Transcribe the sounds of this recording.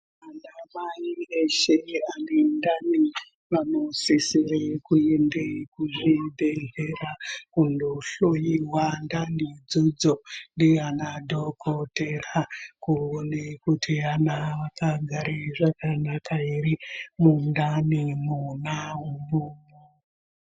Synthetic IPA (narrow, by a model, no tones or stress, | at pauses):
anamaieʃeanendani | ʋanosisiɾekuendekuʐideɦerakundoɬojiwandanid͡zud͡zondianadʱokʰoterakuonekutʰianaʋakaɡʱaɾeʐakanakaiɾimundanimunaɦumumu